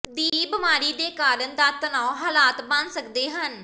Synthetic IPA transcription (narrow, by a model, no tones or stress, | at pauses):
d̪iːbəmaːɾiːd̪eːkaːɾənd̪aːt̪ənaːoɦaːlaːt̪bə̃nsəkd̪eːɦən